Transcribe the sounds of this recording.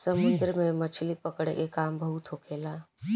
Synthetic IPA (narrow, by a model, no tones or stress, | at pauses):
səmʊnd̪ɾəmẽmət͡ʃʰlipəkɽḛkekaːmbəɦut̪ʰɦokʰela